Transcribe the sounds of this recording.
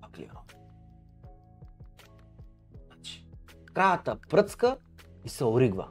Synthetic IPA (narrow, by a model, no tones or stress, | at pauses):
aklʲḭɾɔ | nat͡ʃi̥kɾajat̪apɾət̪ska | isɛɔɾiɡva̰